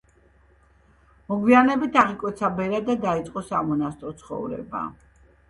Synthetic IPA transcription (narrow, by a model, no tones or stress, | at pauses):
mɔɡwianɛbit̪ʰaʁikʼwɛt̪sʰabɛɾad̪ad̪ait̪sʼqʼɔsamɔnast̪ʼɾɔt̪sʰχɔ̰vɾɛ̰ba̰